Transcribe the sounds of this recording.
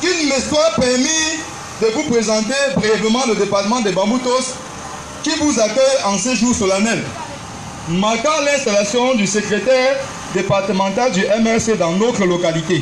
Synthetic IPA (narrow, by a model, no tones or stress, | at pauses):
ynmɛst̪waʁpɛʁmi | d̪əvupχezɑ̃t̪ebʁijɛvləmɑ̃ləd̪epaʁt̪əmɑ̃d̪ebɑ̃but̪ɔs | kivuzakœjɑ̃sɛʒuʁsɔlanɛl | makɛ̃lɛ̃st̪alasjɔ̃d̪ysəkʁet̪ɛʁ | d̪epaʁt̪əmɑ̃t̪ald̪yʔɛmɛʁsed̪ɑ̃not̪χəlokalit̪e